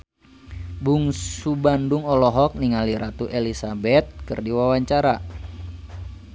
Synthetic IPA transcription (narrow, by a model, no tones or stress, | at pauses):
buŋsubanduŋɔlɔɦɔk̚niŋaliɾat̪uʔelisabɛt̪̚kɨ̰rdiwawaɲt͡ʃaɾa